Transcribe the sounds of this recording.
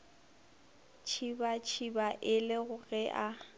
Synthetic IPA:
t͡ʃʰibat͡ʃʰibaʔɪlɪɣʊɣɛʔa

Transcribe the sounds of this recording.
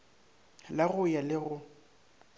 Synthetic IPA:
laɣʊjalɪɣʊ

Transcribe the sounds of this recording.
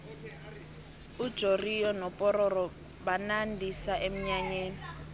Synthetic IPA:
ud̥ʒ̥ʱorijɔnɔpʼɔɾɔrɔ | banandʱisaʔem̩ɲaɲeːni

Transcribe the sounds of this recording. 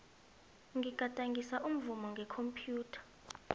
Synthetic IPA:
ŋɡʱiɡ̥ʱatʼaŋɡisaʔum̩vumɔŋɡʱɛkʰompʰʼjuːtʰḁ

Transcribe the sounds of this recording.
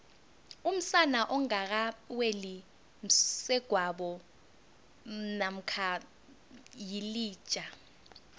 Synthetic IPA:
um̩sanaʔɔŋak̬aweli | m̩sɛɡ̥ʱwaɓɔ | nam̩kʰa | jiliːt͡ʃʼa

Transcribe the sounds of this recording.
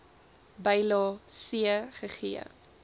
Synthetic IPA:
bɛjlɑːsiəχəχiə̰

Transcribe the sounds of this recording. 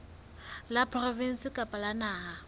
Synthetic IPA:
lapʰʼrɔvin̩sɪkʼapʼalanaːɦa

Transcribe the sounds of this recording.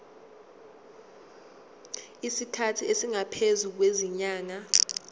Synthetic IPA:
isikʰatʰiesiŋapʰezuk̬weziɲaːŋa

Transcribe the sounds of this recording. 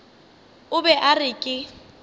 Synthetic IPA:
ʊbɛʔarɪkʼɪ

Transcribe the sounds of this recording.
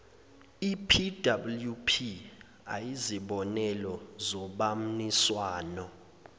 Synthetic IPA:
ipʰidabuljupʰi | a̰jiziɓɔnɛlɔzɔɓam̩niswaːnɔ

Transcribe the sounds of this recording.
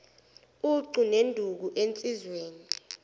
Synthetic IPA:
uǀunendʱuk̬uʔent͡sʼizweːni

